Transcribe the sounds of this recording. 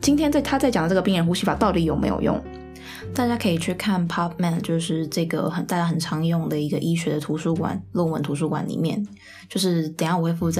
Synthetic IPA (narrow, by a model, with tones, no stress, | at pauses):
t͡ɕi˥nt̪ʰjɛ˥nt͡sa˥˩ɪt̪ʰa˥t͡sa˥˩ɪt͡ɕjɑ˨˩ŋə˦ʈ͡ʂɤ˥˩ɡə˩pi˥˩ŋɻə˧˥nxu˥ɕi˥fa˨˩t̪ɑ˥˩ʊt̪i˨˧˥jo˨˩ʊmḛ˧˥ɪjo̰˨˩ʊjʊ̰˥˩ŋ | t̪a˥˩t͡ɕja˥kʰɤ˧˥i˨˩t͡ɕʰy˥˧kʰa˥˩npʰɑ˥p̚mɛ˥˩nt͡ɕjo˥˧ʊʂɻ̩˥˧ʈ͡ʂɤ˥˩ɡə̰˩xə˨˩nt̪ɪa˥˩xə˨˩nʈ͡ʂʰɑ˧˥ŋjʊ˥˩ŋd̪ə˩i˧˥ɡə˧ʔi˥ɕɥɛ˧˥d̪ə˧t̪ʰu˧˥ʂu˥kwa̰˨˩˦nlə˥˩wə̰˧˥nt̪ʰu˧˥ʂ̬u˥˩kwa̰˨˥nlḭ˨˩mjɛ̰˥˩n | t͡ɕjo˥˧ʊʂ̬ɻ̩˥˩t͡sə˨˩ŋjɑ˥˩ŋxwe˥ɪfu˥˧t͡sa˥˩